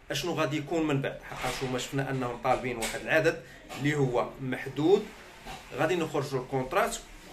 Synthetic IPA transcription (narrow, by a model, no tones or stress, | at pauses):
ʔæʃnuɣæd̪ijkunmənbaʕd̪ħɑqːɑʃumæʃə̥fnæʔənːhʊmt̪ˤɑlbinwaħəd̪əlʕad̪əd̪ | lihʊwːæmaħd̪ud̪ | ɣæd̪inəxɾˤʒulkõt̪ɾˤɑt̪